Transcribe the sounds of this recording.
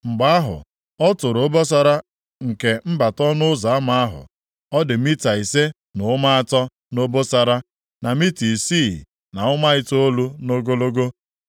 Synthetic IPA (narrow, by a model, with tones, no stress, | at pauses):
ŋ͡m̩˨ɡ͡ba˦a˦ɦʊ̰˨ | ɔ˦tʊ˨ɾo˦bo˦s̬a˦ɾa˦ | ŋ̩˨ke˨m̩˦ba˨tɔ˦nʊ˦za˨a˦ma˨a˦ɦʊ̰˨ | ɔ˦dɪ˨mi˦ta˨i˨se˦ | nʊ˨˦ma˦a˨tɔ˦ | no˦bo˦sa˨ɾa˦ | na˨mi˦ti˨si˦˨ | na˨ʊ˦ma˦ɪ˦to˦o˦lu˦no˦ɡo˦lo˦ɡo˦